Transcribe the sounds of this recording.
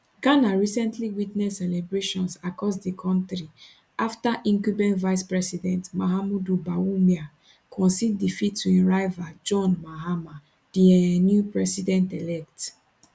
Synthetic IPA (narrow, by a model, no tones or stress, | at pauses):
ɡ̥anaɹisɛ̃ntliwitnɛsːɛlɛbɹeʃɔ̃nsakɔsdikʰɔ̃ntɹi | ʔaftaʔĩŋkubɛ̃nvaɪspɹɛsidɛ̃ntmaɦamudubawumja | kʰɔ̃nsiddifitʰːuĩɹaɪvad͡ʒɔ̃nmaɦama | d̥iɛnjupɹɛsidɛ̃ntɛlɛk̚t